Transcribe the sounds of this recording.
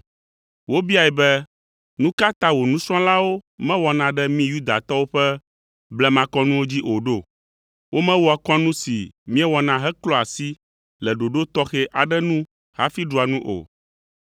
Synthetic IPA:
wo˦bi˦a˨ɛ˨bɛ˦ | nũ˦ka˦t̪ã˦wo˨nũ˦sɾɔ̃˦la˦wo˦mɛ̃˦wɔ˨nã˨ɖɛ˦mĩ˦ju˦d̪a̰˨t̪ɔ˦wo˦ɸɛ˦ | blɛ˦mã˨kɔ˦nũ˦wo˦d͡ʑi˦ʔo˨ɖo˦˨ | wo˦mɛ̃˦wɔ˦a˨kɔ̃˦nũ˦si˨mĩ˦ɛ˦wɔ˨nã˨ɦɛ˦klɔ˦a˨si˦ | lɛ˨ɖo˨ɖo˦t̪ɔ˦xɛ˦ʔa˨ɖɛ˦nũ˦ | ha̰˦fi˦ɖu˨a˨nũ˦ʔo̰˨

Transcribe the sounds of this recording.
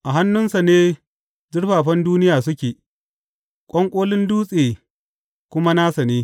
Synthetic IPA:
ʔa˨ɦa˦nːʊ˦nsa˨neː˦ | zɪ˦ɽɸaː˨ɸɐ˦nduː˦nɪ˦jaː˨sʊ˦kʲeː˨ | kʷʼɔ˦ŋkʷʼoː˦lɪ˦nduː˦sʼeː˨ | kʷʊ˦ma˦naː˦sa˨neː˦

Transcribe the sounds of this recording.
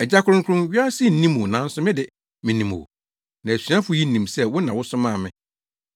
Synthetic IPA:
ɛ˨d͡ʑa˦kʰʊ˦ɾʊ̃˦ŋkʰʊ˦ɾʊ̃˦mɥa˦si˦˨n̩˨nĩ˦m̃˨nã˨˦n̩˦sʊ˦mɪ̃˦dɪ˨ | mɪ̃˨nĩ˨mṵ˨ | nã˨æ˨sɥã˦fʊ˨˦ji˦˨nĩ˨msɛ˦wʊ˦nã˨wʊ˦sʊ˦mã˦˨mɪ̃˨

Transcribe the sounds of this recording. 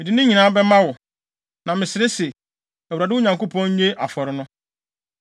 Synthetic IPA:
mɪ˨dɪ˨nɪ̃˦ɲĩ˨nãː˦bɛ˦mã˦wʊ˨ | nã˨mɪ̃˨sɪ˨ɾɪ˦sɛ˨ | ɛ˨wu˨ɾa˨dɪ˦ʊ˦ɲã˨ŋko˦pʰɔ̃˦ɲe˦ʔa˨fɔ˨ɾɪ˦nʊ̃˦

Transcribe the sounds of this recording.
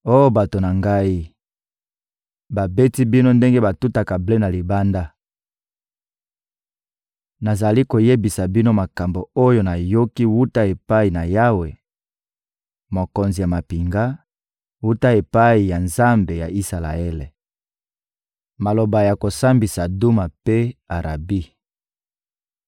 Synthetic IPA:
o˦jo˦ba˨to˨na˨ŋɡa˦i˦ | ba˨be˦ti˦bi˦no˦nde˦ŋɡe˦ba˨tu˦ta˨ka˨ble˦na˨li˨ba˦nda˦ | na˨za˨li˦ko˨je˦bi˨sa˨bi˦no˦ma˨ka˨mbo˨o˦jo˦na˨jo˦ki˦wu˦ta˦e˨pa˦i˨na˨ja˦we˨ | mo˨ko˨nzi˨ja˨ma˨pi˨ŋɡa˦ | wu˦ta˦e˨pa˦i˨ja˨nza˦mbe˨ja˨i˦sa˨la̰˨e˦lḛ˨ | ma˨lo˨ba˨ja˨ko˨sa˦mbi˨sa˨du˦ma˨pe˦a˨ʁa̰˨bi˦

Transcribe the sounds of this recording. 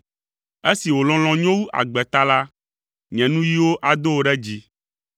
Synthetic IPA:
e˦si˨wo˨lɔ̃˦l̃ɔ̃˨ɲɔ̃˦wu˦ʔa̰˨ɡ͡bɛ˨t̪a˦la˦ | ɲɛ̃˨nũ˦ji˦wo˦ʔa˨d̪o˦wo˨˦ɖɛ˦d͡ʑi˦

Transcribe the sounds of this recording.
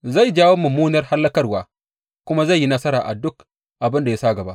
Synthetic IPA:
za˦˨jd͡ʒaː˦wo˦mɐ˨muː˦nɐ˦rha˦lːɐ˦kɐ˦rwaː˨ | kʷʊ˦ma˦za˦˨jːi˦nɐ˦sɐ˦ɾaː˨ʔa̰˨dʊ˦k | ʔa˨bɪ˦nda˨ja˦sa˦ɡɐ˨ba˦ʔ

